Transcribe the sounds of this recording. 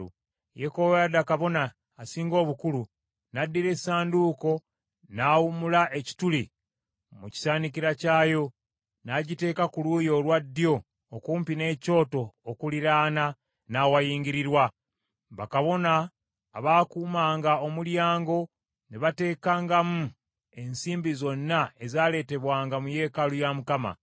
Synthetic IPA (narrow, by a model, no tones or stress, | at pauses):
u | jekoβjadakaβo̞naː | siːŋɡo̞ːβukulu | nadːiɾe̞saːnduːko̞ | naːwumulaʔe̞ci̥tuli | muci̥saːnikiɾacaːjo̞ | naɟite̞ːkakuluːjo̞ːlwadːjo̞ː | kuːmpine̞ːco̞ːto̞ːkuliɾaːna | nawajiːŋɡiɾiɾwa | βakaβo̞naː | βaːkuːmaːŋɡao̞muljaːŋɡo̞ | niβate̞ːkaːŋɡamu | e̞nsiːmbizo̞nːae̞zaːle̞ːte̞βwaːŋɡamuje̞ːkalujamukama̰